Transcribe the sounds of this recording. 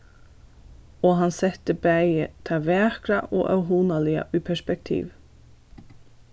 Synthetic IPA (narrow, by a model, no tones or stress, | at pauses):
oːɦɑnsɛt̪əbæɪət̪ʰɑʋæːkɾaʔo̰ːʔœʉɦuːnalɪa̰ʔʉːpʰɛʃpɛk̚t̪ʰḭːʋ